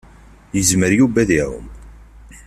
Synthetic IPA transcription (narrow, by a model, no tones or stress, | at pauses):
jəzməɾjubæðiɾˤʊ̰m